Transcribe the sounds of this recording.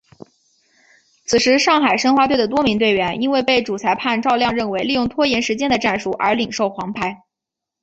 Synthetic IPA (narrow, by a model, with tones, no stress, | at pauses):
t͡sʰɹ̩˨˩ʂɻ̩˧˥ʂɑ˥˩ŋxa˨˩ɪʂə˥ŋxwa˧˥we˥˩ɪd̪ə˩t̪̬wɔ˥mi˧˥ŋt̪we˥˩ɪɥɛ˧˥nʔi˥nwe˥˧ɪpe˥˩ɪʈ͡ʂu˨˩t͡sʰa˧˥ɪpʰa˥˧nʈ͡ʂɑ˥˧ʊljɑ˥˧ŋɻə˥˩nwe˧˥ɪli˥˧jʊ˥˩ŋt̪ʰwɔ˥jɛ˧˥nʂɻ̩˧˥t͡ɕjɛ˥nd̪ə˨ʈ͡ʂa˥˩nʂu˨˩ʔə̰˞˧˥li˨˩ŋʂo˥˩ʊxwɑ˧˥ŋpʰa˥ɪ